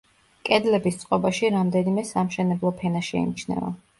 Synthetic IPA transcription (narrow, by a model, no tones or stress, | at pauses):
kʼɛd̪lɛbist̪sʼqʼɔbaʃiɾamd̪ɛnimɛsamʃɛnɛblˠɔpʰɛnaʃɛ̰ḭmit͡ʃʰnɛ̰va̰